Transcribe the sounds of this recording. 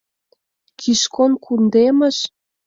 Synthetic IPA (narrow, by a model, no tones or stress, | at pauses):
kʰiʃkonkʰund̪emə̆ʃ